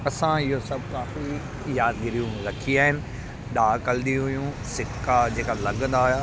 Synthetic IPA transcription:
ɐsãɪɦosɐbʱkaːfi | jaːd̪ɡɪɾijũɾɐkʰiaːɦɪnɪ̆ | ɗaːkɐld̪ĩɦʊjũ | sɪkːad͡ʑeːkalɐɠə̃nd̪aːjaː

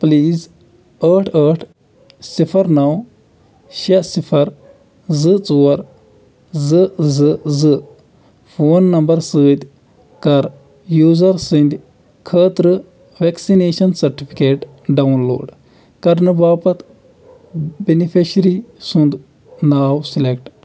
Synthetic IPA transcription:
pliːz | əːʈʰəːʈʰ | sipʰɐɾnɐw | ʃɐsipʰɐɾ | zɨt͡suːɐɾ | zɨzɨzɨ | pʰoːnːɐmbɐɾsɨːt̪ʲ | kɐɾ | juːzɐɾsind̪ʲ | kʰəːt̪ɾɨ | ʋeksineːʃɐnsɐɾʈipʰi̥keːʈ | ɖɐwnlo̰ːɖ | kɐɾnɨbaːpɐt̪ | benipʰeʃɾisũnd̪ | naːwsilekʈ

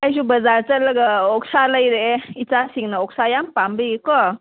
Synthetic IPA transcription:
əɕ̬ubəd͡zaɾt͡sələɡəoksaləiɾeeit͡sasiŋɡnaoksajampambikɔ

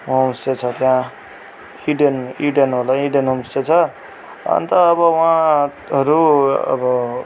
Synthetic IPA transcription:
omsʈet͡sʰʌt̪jã | iɖeniɖenɦolaiɖenɦomsʈet͡sʰʌ | ʌ̰nt̪ʌːβʌwã | ʌɾuʌ̰bʌ

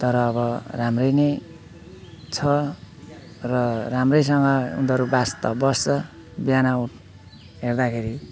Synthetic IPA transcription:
t̪ʌɾʌːβʌramrʌjnʌj | t͡sʰʌ | rʌramrʌjs̬ʌŋɡʌṵnd̪ʌɾubast̪ʌbʌst͡sʌ | bjanawʈ | ɦerd̪akʰeɾi

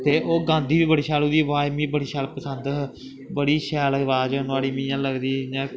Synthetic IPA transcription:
t̪eːʔoːɡãːnd̪iːʋiːbəɽiːʃɛːluːd̪iːʋaːmiːbəɽiːʃɛːlpəsənd̪ | bəɽiːʃɛːlʋaːd͡ʒənʊaːɽiːmĩːjãːləɡd̪iːãː

